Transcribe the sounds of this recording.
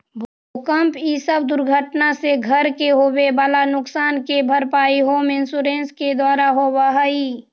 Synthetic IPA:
bʱo | kəmpisəbd̪ʊɾɡʱəʈnaseɡʱəɾkeɦoːbebaːlanʊksaːnkebʱəɾpaːiɦoːmɪnsuːɾẽːnsked̪waːɾaɦowaɦai

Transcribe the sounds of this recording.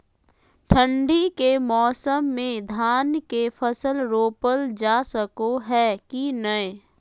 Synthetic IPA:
ʈʰə̃ɳɖikemɔːsəmːẽd̪ʱaːnkefʰəsəlɾoːpəld͡ʒaːsəkoɦɛːkinəe

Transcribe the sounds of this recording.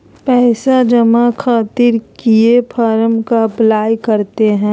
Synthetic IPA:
pɛːsad͡ʒɐmakʰaːt̪ɪɾkiepʰaːɾəmkaplaːjkɐɾt̪eɦɛ̃ː

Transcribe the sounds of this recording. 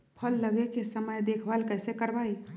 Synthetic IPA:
pʰəlːəɡekesəməjd̪eːkʰʋalkɛɪsekəɾʋaːi

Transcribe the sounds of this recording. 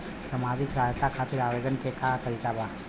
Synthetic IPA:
samaːd͡ʒɪksaɦajt̪akʰaːt̪ɪɾaʋed͡ʒənkekat̪əɾikabaː

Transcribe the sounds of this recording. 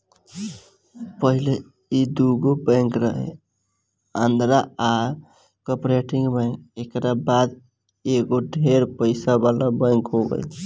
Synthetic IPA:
pəɦile | id̪uɡobə̃ŋkɾəɦḛ | and̪ɾaa | kəpɾeʈĩŋɡbãŋkekɾabad̪ | eɡoɖʱeɾpəɪsabalabə̃ŋkɦoɡə̰jt͡ʃʰ

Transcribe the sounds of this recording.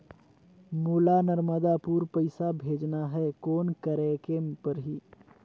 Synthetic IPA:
mulanəɾməd̪apuɾpəɪsabʱed͡ʒnaɦɛkoːnkəɾɛkepəɾɦi

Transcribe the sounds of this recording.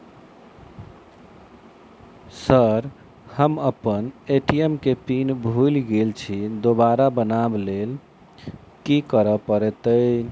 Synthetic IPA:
səɾ | həməpəneʈiemkepinbʱujlɡelt͡ʃʰid̪obaɾabənablel | kikəɾəpəɾɛt̪ə

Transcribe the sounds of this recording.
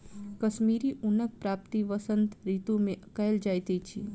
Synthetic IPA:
kəʃmiɾiʔunək̚pɾap̚t̪iʋəsənt̪ɾit̪umekaeld͡ʒajt̪et͡ʃʰi

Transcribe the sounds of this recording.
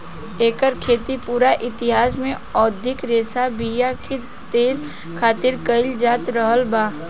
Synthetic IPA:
eːkəɾkʰeːt̪ipuːɾaʔɪt̪ɪɦaːsmẽ | ɔːd̪ʱɪkɾeːsabijakʰe | t̪eːl | kʰaːt̪ɪɾkəɪld͡ʒaːt̪ɾəɦəlbaː

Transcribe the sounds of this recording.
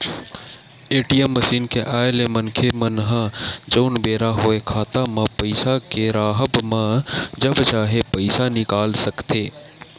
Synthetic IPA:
eːʈijəmːəsiːnkeʔaːelemənkʰemənɦãd͡ʒoːnbeːɾaɦoːekʰaːt̪amãpəɪsakeɾaːɦəbmãd͡ʒəbt͡ʃaːɦepəɪsanɪkaːlsɐkt̪ʰeː

